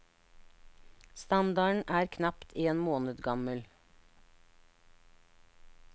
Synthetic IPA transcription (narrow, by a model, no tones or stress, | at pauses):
st̪ɑnd̪ɑɳʔæːɾkʰnɑpt̪ʰeːnmoːnəd̪ɡɑməl